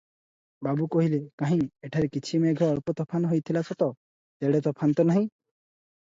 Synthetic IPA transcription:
babukɔɦilekaɦĩeʈʰaɾekit͡ʃʰimeɡʱɔɔɭpɔt̪ɔpʰanɦojt̪ʰilasʰɔt̪ɔ | t̪eɽet̪̬ɔpʰant̪ɔnaɦĩ

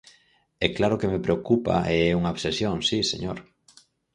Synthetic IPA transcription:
ɛklaɾokemepɾeokupa̰eɛuŋaoβsesjoŋsisḛɲoɾ

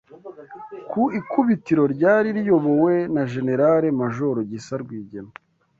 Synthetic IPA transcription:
kuikuβitiɾo̞ɾɟaːɾiɾijo̞βo̞we̞naʒe̞ne̞ɾaɾe̞maʒo̞ɾoɟisaɾɡwiːɟena

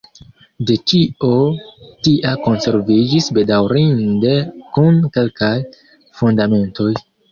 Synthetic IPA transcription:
de̞t͡ʃiotiʔako̞nse̞ɾvid͡ʒisbe̞dawɾinde̞kunke̞lkaj | fundame̞nto̞j

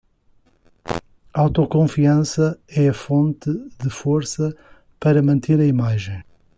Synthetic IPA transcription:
awt̪ɔkõfiɐ̃sɐɛɐfõnt̪ɨðɨfoɾsɐ | pɐɾɐmɐ̃nt̪ʰeɾɐimaʒẽj̃

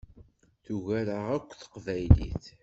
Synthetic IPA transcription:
θuʝæɾəʁækʷːθə̥qvæjlḭθ

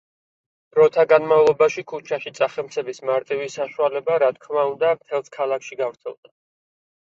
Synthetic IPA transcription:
ɾɔt̪ʰaɡanmavlˠɔbaʃikʰut͡ʃʰaʃit̪sʼaχɛmt̪sʰɛbismaɾt̪ʼivisaʃualɛbaɾat̪̚ʰkʰmaund̪amt̪ʰɛlˠskʰalˠakʰʃiɡavɾt̪sʰɛ̰lˠd̪a

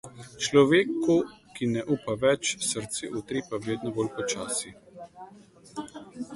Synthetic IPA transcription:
t͡ʃlɔʋeːkukinɛʔuːpaʋɛt͡ʃsəɾt̪seʔut̪ɾipaʋeːd̪nɔboːlpɔt͡ʃaːsi

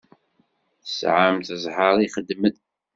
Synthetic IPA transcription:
θəsʕamt̪əzˤħəɾˤiχəd̪ːmən

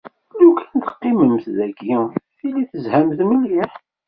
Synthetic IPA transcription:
lukʰænt̪ə̥qːiməmθðæɡiθilːiθəzhæmθmilliħ

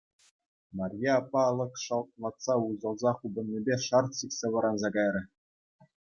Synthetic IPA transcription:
mɑrʲjɑɑpːɑlˠɤ̆kʂɑlˠt̪̚lˠɑt̪sɑuzɑlˠzɑχubɤ̆nʲːebʲeʂɑrt̪ɕikʲsʲeʋɤ̆ɾɑnzɑɡɑjɾʲɘ̆

